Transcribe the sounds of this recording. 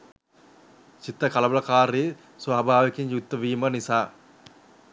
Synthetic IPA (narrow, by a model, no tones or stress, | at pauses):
t͡ʃit̪ːɾəkaləbɐlɐkaːɾe | sʋaːbʱaːʋekeɲjut̪ːəʋiːmənisaː